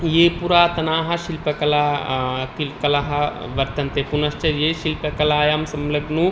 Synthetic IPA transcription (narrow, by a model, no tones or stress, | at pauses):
jepuɾaːt̪ɐnaːɦɐʃilpɐkɐlaːkilkɐlaɦɐ | ʋɐɾt̪ɐnt̪epunɐst͡ʃɐjeʃilpɐkɐlaːjaːmsɐmlɐɡnu